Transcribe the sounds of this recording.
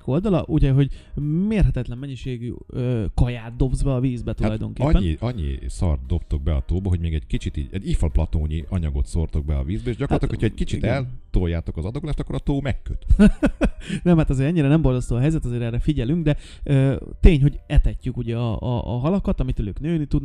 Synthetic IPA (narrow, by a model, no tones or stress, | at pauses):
ko̞ld̪ɒlɒʔuɟɛɦo̞ɟmeːrɦɛt̪ɛt̪lɛmːɛɲːiʃeːɡyøːkɒjaːt̪̚d̪o̞bzbɛɒviːzbɛt̪ualɒjd̪o̞ŋkeːɛːiɒɲːḭsɒ̰rt̪̚d̪o̞bt̪oɡ̚bɛɒt̪oːbɒɦoɟmeːɡɛɟkit͡ʃit̪iɟɛɟifɔlplɒt̪oːɲiʔɒɲɒɡo̞t̪so̞rt̪o̞ɡ̚bɛɒ̰viːzbɛeːʒɟɒkoɾlt̪okkocʰɛckit͡ʃit̪ɛlt̪ojaːt̪o̞kɒzɒd̪okulaːʃt̪ɒkːoɾɒt̪oːmɛkːøt̪ | nɛmhat̪ɒzeːɾɛɲːiɾɛnɛmbo̞rzɒst̪oːɒɦɛjzɛt̪ɒzeːɾɛrːɛfiɟɛlyŋɡd̪ɛ | øːt̪eːɲɦo̞ɟɛt̪ɛcːykuɟɛɒ̰ːɦɒlɒkɒt̪ɒmit̪øløːknøːnit̪ud̪n